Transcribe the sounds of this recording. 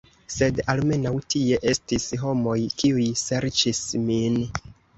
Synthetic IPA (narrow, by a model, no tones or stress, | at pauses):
se̞dalme̞nawtie̞ʔe̞stisɦo̞mo̞jkiujse̞ɾt͡ʃismin